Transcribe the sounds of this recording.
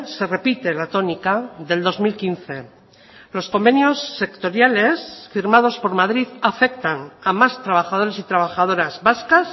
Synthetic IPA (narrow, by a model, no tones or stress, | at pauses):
se̞re̞pit̪e̞lat̪o̞nikaðe̞ld̪o̞zmilkinθe̞ | lo̞sko̞mbe̞njo̞sːe̞kt̪o̞ɾjale̞sfiɾmað̞o̞spo̞ɾmað̞ɾiðafe̞k̚t̪anamast̪ɾaβaxað̞o̞ɾe̞sit̪ɾaβ̞axað̞o̞ɾazβaskas